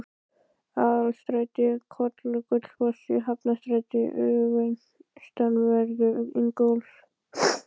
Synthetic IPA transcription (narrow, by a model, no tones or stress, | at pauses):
aðalst̪ɾajt̪ɪkʰɔt̪lʏkʏt̪l̥pɔsɪɦapnast̪ɾat̪ɪʔʏven | st̪anvɛɾɣʏɪŋkows